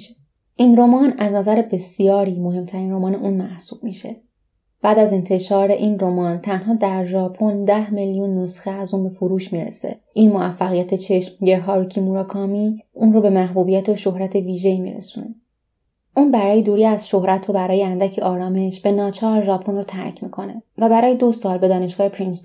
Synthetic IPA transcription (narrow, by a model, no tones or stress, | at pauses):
ʃe | ʔiːnɾo̞mɒːnæznæzæɾebe̞sijɒːɾiːmo̞ɦe̞mt̪ʰæɾiːnro̞mɒːneʔuːnmæhsuːb̥̚miːʃḛ | b̥æːd̪æzent̪ʰe̞ʃɒːɾe̞ʔiːnro̞mɒːnt̪ʰænɦɒːd̪æɾʒɒːpʰo̞nd̪æhmelijunːosxeæzuːnbe̞foɾuːʃmiːɾḛsḛ | ʔinmo̞æfːæɣijæt̪ʰe̞t͡ʃʰe̞ʃmɟeɾɦɒːɾocʰimuːɾɒːkʰɒːmiuːnrobe̞mæɦbuːbijæt̪ʰoʃo̞ɦɾæt̪ʰe̞viːʒe̞iːmḭːɾḛsune | ʔuːnbæɾɒːjed̪uːɾiːæzʃo̞hɾæt̪ʰobæɾɒːjeænd̪æcʰeʔɒːɾɒːme̞ʃb̥e̞nɒːt͡ʃʰɒːɾʒɒpʰo̞nrot̪ʰæ̰ɾcʰmḭkʰo̞ne̞væbæɾɒːjed̪osɒːlbe̞d̪ɒːne̞ʃɡ̥ɒːhepʰɾins